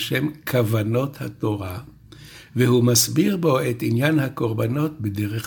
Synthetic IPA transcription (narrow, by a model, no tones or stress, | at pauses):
ʃemkʰavano̞t̪ha̰t̪o̞ʁa | vehumasbiʁbo̞et̪injanhako̞ʁbano̞t̪̚bedeʁeχ